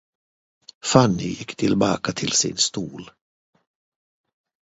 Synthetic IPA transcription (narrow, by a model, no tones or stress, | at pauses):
fanːɪ̰jɪkːt̪ʰɪlbɑːkat̪ʰɪlsɪ̰nst̪uːl